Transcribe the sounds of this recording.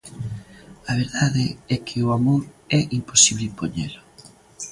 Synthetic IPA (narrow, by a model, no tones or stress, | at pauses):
ɐβ̞eɾðaðɪɛkʰɪoamoɾ | ɛʔimposiβlɪpoɲḛlo